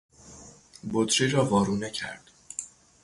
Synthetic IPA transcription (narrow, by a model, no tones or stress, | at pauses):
bot̪ɾiːɾɒːvɒːɾuːnecʰæ̰ɾd̪̥